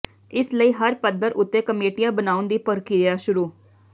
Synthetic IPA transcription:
ɪsləiːɦəɾpəd̪əɾʔʊt̪ːẽːkəmeːʈɪjãːbənaːʊnd̪iːpəɾkɪɾijaːʃʊɾuː

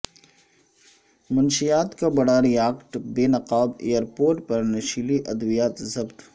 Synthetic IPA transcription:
mʊnʃijaːt̪kabɐɽaɾijaːkʈbeːnɐqaːbḛːjəɾpoːɾʈpɐɾnɐʃiliʔɐd̪ʋijaːt̪zɐbt̪

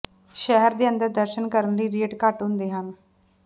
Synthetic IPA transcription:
ʃɛɦəɾd̪iːənd̪əɾd̪əɾʃənkəɾənləiːɾeːɖkaʈɦʊ̃nd̪eːɦən

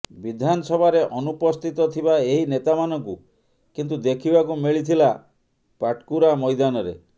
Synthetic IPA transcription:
bid̪ʱanɔsɔbʱaɾeʔɔnupɔst̪ʰit̪ɔt̪ʰibaeɦinet̪amanɔŋku | kint̪̬ud̪ekʰibakumiɭit̪ʰila | paʈkuɾamɔjd̪anɔɾḛ

